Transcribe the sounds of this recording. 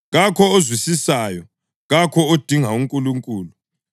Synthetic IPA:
ɣakʰɔozwisisajɔ | ɣakʰɔod̥ʱiŋauŋkʼuluŋkʼuːlu

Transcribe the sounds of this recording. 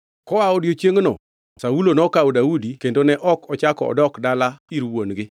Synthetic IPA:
kɔwaɔdjot͡ʃjeŋnɔ̰ | saulonɔkaodaudikendonɛʔɔkɔt͡ʃakɔɔ̰dɔkdalaiɾwonɡɪ

